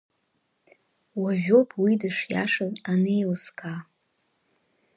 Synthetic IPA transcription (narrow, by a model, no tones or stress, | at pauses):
waʒᶣo̞pʼʰwidɨʂja̰ʂɨnanejlɨskʼʰa